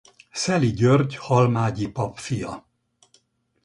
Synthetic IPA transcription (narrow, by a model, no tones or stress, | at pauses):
sɛliɟørɟhɒlmaːɟipɒpfijɒ